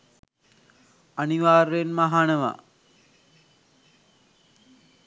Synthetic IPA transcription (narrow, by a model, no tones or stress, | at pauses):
aniʋaːrenmaɦanəʋa̰